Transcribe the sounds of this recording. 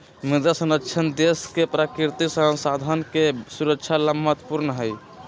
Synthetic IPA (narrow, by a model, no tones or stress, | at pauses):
mid̪asənətːt͡ʃʰənd̪eskepɾakiɾt̪isə̃sad̪ʱənkesuɾəkt͡ʃʰaləmːət̪puɾnɦəj